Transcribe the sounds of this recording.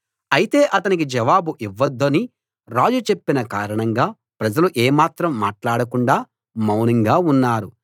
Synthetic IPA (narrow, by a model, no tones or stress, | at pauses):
ɐjit̪e̞ːʔɐt̪ɐnik̬id͡ʒɐʋaːbuʔiʋːɐd̪ːoːni | ɾaːd͡ʒut͡ʃe̞pːinɐkaːɾɐɳɐŋɡaː | pɾɐd͡ʒɐluʔeːmaːt̪ɾɐmːaːʈlaːɽɐkuɳɖaː | mɐwnɐŋɡaːunːaːɾu